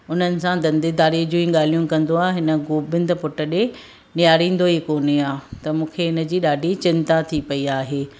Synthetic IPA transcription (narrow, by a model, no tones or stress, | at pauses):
ʊn̤ənɪ̆sãd̪ɐ̃nd̪id̪aːɾiːd͡ʑũːĩɠaːl̤ijũkɐ̃nd̪oaːeɦɪnə̆ɡoːbɪ̃nd̪pʊʈəɗe | nɪjaːɾĩːn̆d̪oɦikoːniaːt̪ɐmũːkʰeɦɪnə̆d͡ʑiːɗaːɖʱit͡ɕɪ̃nt̪at̪ʰipɐiaːɦeː